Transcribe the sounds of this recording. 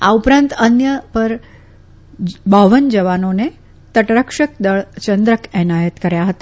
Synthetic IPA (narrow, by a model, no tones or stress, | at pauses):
a̰upɾãnt̪ənjəpəɾ | bəʋənd͡ʒəʋanone | t̪əʈɾəkʃək̚d̪əɭt͡ʃənd̪ɾəkɛnajət̪kəɾjaɦət̪a